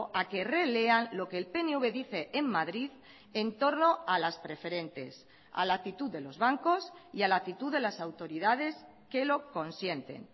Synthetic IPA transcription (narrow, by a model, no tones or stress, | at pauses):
ʔake̞re̞le̞anlo̞ke̞ːlpe̞neuβe̞ðiθe̞ʔemmaðɾið | ent̪o̞ɾno̞alaspɾe̞fe̞ɾẽ̞nt̪e̞̰s | a̰lak̚t̪it̪uðe̞lo̞zβaŋko̞sialak̚t̪it̪uðe̞lasawt̪o̞ɾiðað̞e̞s | ke̞lo̞ko̞nsje̞nt̪e̞̰n